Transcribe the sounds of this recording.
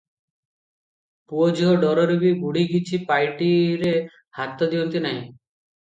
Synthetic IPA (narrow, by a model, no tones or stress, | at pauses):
puod͡ʒɔɖɔɾɔɾubibuɽ̤iɡit͡ʃʰipajʈiɾe | hat̪ɔd̪iɔnt̪inaɦḭ̃